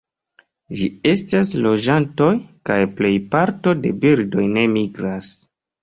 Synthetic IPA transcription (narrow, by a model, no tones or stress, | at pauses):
ʒie̞staslo̞d͡ʒanto̞jkajple̞jpaɾto̞de̞biɾdo̞jne̞miɡɾas